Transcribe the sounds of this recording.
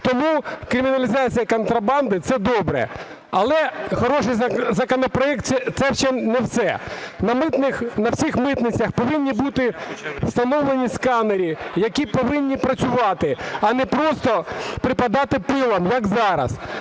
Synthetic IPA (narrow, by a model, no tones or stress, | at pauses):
t̪ɔmukɾʲɪmʲinɐlʲizɑt͡sʲijɐkɔnt̪ɾɐbɑnd̪ɪt̪sɛd̪ɔbɾɛ̰ | ɐlˠɛxɔɾɔʂɪjzɐkɔnɔpɾɔɛk̚t̪ɛt̪sɛʃt͡ʃɛnɛwsɛnɐmɪt̪nɪxnɐwsʲixmɪt̪nɪt͡sʲɐxpɔʋɪnʲːibut̪ɪwst̪ɐnɔʋlˠenʲiskɑneɾʲijɐkʲipɔʋɪnʲːipɾɐt͡sʲʊʋɑt̪ɪɐnɛpɾɔst̪ɔpɾɪpɐd̪ɑt̪ɪpɪlˠɐmjɐkzɑɾɐ̰s